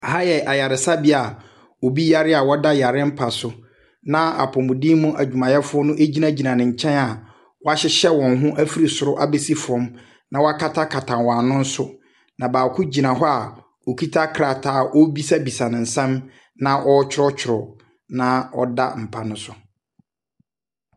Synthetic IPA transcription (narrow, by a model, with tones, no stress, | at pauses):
ha˦jɛ˨ʔa˨ja˨ɾɪ˨sa˦bi˦a˨ | wo˨bi˦ja˦ɾɪ˦a˨wɔ˦da˦ja˨ɾɪ˦m̩˦pʰa˨sʊ˦ | nã˦a̰˨pʰɔ˨mʊ̃˨dĩ˦mũ˦ʔæ˨d͡ʑᶣu˨mã˨jɛ˦fʊ˦ɔ˦nʊ̃˦ʔe˦d͡ʑi˦nã˦d͡ʑi˨nã˨nɪ̃˨ɲ̩˨t͡ɕʰɛ̃˦na˨ | wɔ˦a˦ɕɪ˦ɕɛ˦wɔ̃˨nɦʊ̃˦ʔæ˦fi˦ɾi˨sʊ˨ɾʊ˦ʔa˦be˦si˦fʊ˨ɔ̃˦m | nã˨wɔ˦a˦kʰa˦tʰa˦kʰa˨tʰã˨nwɔ˨a˨nʊ̃˦n̩˦sʊ˦ | nã˨baː˨kʰʊ˦d͡ʑi˨nã˨ɦɔ˦a˨ | wo˨kʰi˦tʰa˦kʰɾa˨tʰaː˨ʔo˦bi˦sa˦bi˨sa˨nɪ̃˨n̩˨sɛ̃˦m | nã˦ʔɔ˦t͡ɕʰᶣɪ˦ɾɔ˦t͡ɕᶣʰɪ˨ɾɔ˨ | nã˦ɔ̰˦da̰˦m̩˨pʰa˦nʊ̃˦sʊ˨